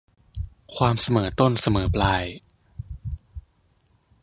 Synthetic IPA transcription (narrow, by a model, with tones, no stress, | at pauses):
kʰwaː˧msa˧mɤː˩˦t̪o˥˩nsa˧mɤː˩˦plaː˧j